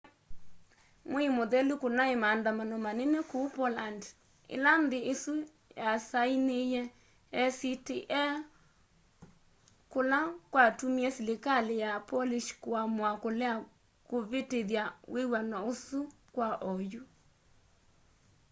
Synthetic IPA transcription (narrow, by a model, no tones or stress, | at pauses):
mwimoðɛlukonaemandamanɔmanɛnɛkopɔland | ḛlandeesu | jasainejɛ | ɛsitiʔɛ | kolakwatumiɛsilekalejapɔliʃkwamwakolɛa | koβeteðjawʔewanaosu | kwaʔɔju